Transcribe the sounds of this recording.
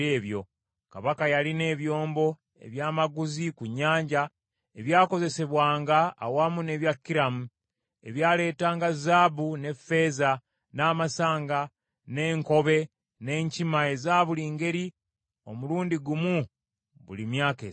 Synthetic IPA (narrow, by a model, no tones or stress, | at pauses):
eːβjo̞ | kaβakajaline̞ːβjo̞ːmbo̞ | e̞̰βjaːmaɡuzikuɲːaːɲɟa | e̞βjaːko̞ze̞se̞βwaːŋɡa̰ːwaːmune̞ːβjakːiɾamu | e̞βjaːle̞ːtaːŋɡazaːbune̞fe̞ːza | naːmasaːŋɡa | ne̞ːŋko̞βe̞ | ne̞ːɲcimae̞zaːβuliːŋɡe̞ɾi | o̞̰muluːndiɡumu | βṵlimjaːkḛː